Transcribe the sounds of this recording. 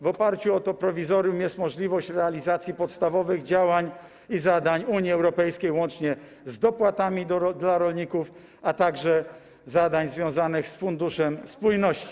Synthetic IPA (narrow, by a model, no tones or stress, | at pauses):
vɔpaɾt͡ɕuɔt̪ɔpɾɔvʲizɔɾjumjɛst̪mɔʐlʲivɔɕt͡ɕɾɛalʲizat̪sʲjipɔt̪st̪avɔvɘɣd͡ʑawaɲ | izad̪aɲuɲiɛwɾɔpɛjskʲejwɔnt͡ʂɲɛ | zd̪ɔpwat̪amʲid̪ɔd̪laɾɔlɲikuf | at̪aɡʐɛ | zad̪aɲzvʲjɔ̃w̃zanɘxsfund̪uʂɛmspujnɔɕt͡ɕi̥